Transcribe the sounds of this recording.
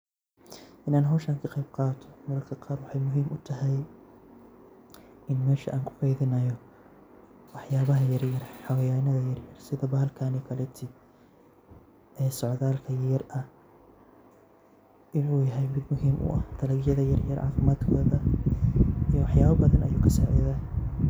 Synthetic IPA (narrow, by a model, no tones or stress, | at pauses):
ʔɪnaːnɦɔwʃaːŋkʰɐqejb̚qɑːt̪ʰɔ̥mɐɾɐrkʰɐqɑːrwɑħɑjmʊɦiːmʊt̪ʰɐɦɛj | ɪnmɛːʃɐ̰ʔaːŋkʰʊ̥qɑjðɪnɐjɔ | wɑħjaːβɐɦɐjɐrjɐrħɑwɐjaːnɐðɐjɐrjɐrsɪðɐːbɐhɐlkʰaːnɛkʰɐlɛt̪ʰɪ | ɛːsɔʕðaːlkʰɐjɐrɐh | ʔɪnuːjɐɦɛjmɪd̪mʊɦiːmʔʊ̰ʔɐ̰hd̪̥ʰɐlɐɡjɐðɐjɐrjɐɾʕɑ̰ːfɪmaːd̪kʰɔːðɐ | iwɑħjaːβɐbɐðɐnɐ̰juːkʰɐsɐ̰ʕḭːðaː